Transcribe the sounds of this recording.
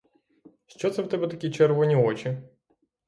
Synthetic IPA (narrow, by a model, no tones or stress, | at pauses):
ʃt͡ʃɔt̪sɛwt̪ɛbɛt̪ɐkʲit͡ʃɛɾʋɔnʲiɔt͡ʃɪ